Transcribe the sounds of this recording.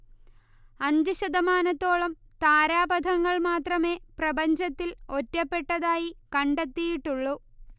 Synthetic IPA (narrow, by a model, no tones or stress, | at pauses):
ɐɲd͡ʑuɕɐd̪ɐmaːnɐt̪ːo̞ːɭɐm | t̪aːɾaːbɐd̪ʱɐŋːɐɭmaːt̪rɐme̞ːprɐbɐɲd͡ʑɐt̪ːilo̞tːɐpːe̞ʈːɐðaːjikɐɳɖet̪ːijiʈːuɭːu